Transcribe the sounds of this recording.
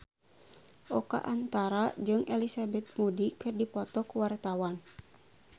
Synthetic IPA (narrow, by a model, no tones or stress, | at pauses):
ʔɔka̰ʔant̪aɾad͡ʒɨŋɛlisabɛt̪̚mudikɨrdipɔt̪ɔkuwart̪awan